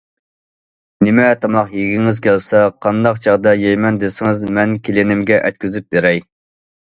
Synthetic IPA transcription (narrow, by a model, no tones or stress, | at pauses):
nɪmɛt̪ʰɑmɑqjeɡʲiŋɪzkʲɛlsɛqʰɑnd̪ɑqt͡ʃʰɑʁd̪ɑjɛjmɛnd̪ɪsɪŋɪzmɛnkʲʰelɪnɪmɡʲɛʔɛt̪̚kʲyzyp̚beɾɛj